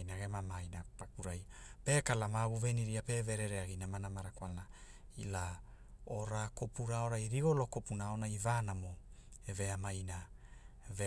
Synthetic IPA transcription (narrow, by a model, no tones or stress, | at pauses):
jnaɡemamajnapakuɾajpe̞kalamaβuve̞niɾiape̞ve̞ɾeɾeaɡinamanamaɾakwalna | ila | oɾakopuɾao̞ɾajɾiɡo̞lo̞kopunaonaivanamoeve̞amajna | ve